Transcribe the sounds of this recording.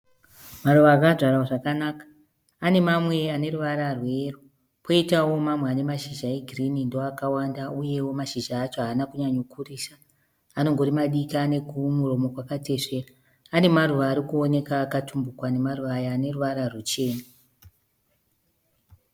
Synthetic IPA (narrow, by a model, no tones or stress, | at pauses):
maruʋaːkaʐʱaɾaoʐakanaːkḁː | ne̞mamwe̞ane̞ruʋaɾarwe̞ru | pʰo̞itawo̞mamweane̞maʃiʒaeɡʱirinindoakawandauje̞wo̞maʃiʒaːt͡ʃo̞ɦaːnakuɲaɲokʰuriːsa | ano̞ŋɡo̞ɾimaɗikiane̞kumuro̞mo̞kwakate̞ʂe̞ːraː | ne̞maruʋaːɾikuone̞kakatumbukwane̞maruʋajaːne̞ruʋaɾarut͡ʃe̞ːna